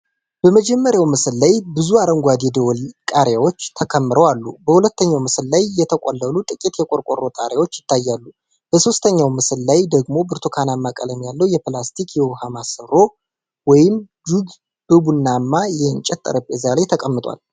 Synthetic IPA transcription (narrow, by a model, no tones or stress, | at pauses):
b̥əməd͡ʒɛmːəɾjawmɨsɨlːajbɨzuaɾəŋɡʷad̪ɛd̪əwɔlkʼaɾjawot͡ʃːt̪ʰəkʰəmːɨɾəwalːubəhulət̪ːəɲːawmɨsɨllajjɛt̪ʰəkʼolːəlut̪ʼɨkʼit̪jɛkʼoɾkʷʼo̰rːo̞t̪ʼa̰ɾjawo̞t͡ʃːjɪt̪ʰːajːalːu | b̥əso̞st̪ʰəɲːawmɨsɨlːajd̪əɡmo̞bɨɾt̪ʰokʰanamːakʼə̰ləmjalːəwjɛplast̪ʰikʰjɛwhamasɨɾo̞ | wɔjɪm | d͡ʒuɡ | b̥ɨbunːamːajɛɨnt͡ʃʼɛt̪ʼːə̰ɾəpʼːezalajt̪ʰəkʼəmːɨt̪ʼwa̰l